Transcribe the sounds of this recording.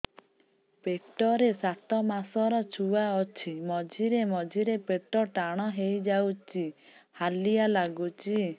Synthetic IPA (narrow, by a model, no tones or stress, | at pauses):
pek̚ʈɔɾesat̪ɔmasɔɾɔt͡ʃʰuwaɔt͡ʃʰimɔd͡ʒʱiɾemɔd͡ʒʱiɾepeʈɔʈaɽ̃ɔɦejd͡ʒawt͡ʃihalijalaɡut͡ʃi